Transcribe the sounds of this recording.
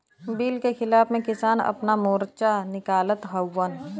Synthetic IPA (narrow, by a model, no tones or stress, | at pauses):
biːlkexɪlaːfmẽkɪsaːnɐ̰pnamoːɾt͡ʃanɪkaːlət̪ɦəwːən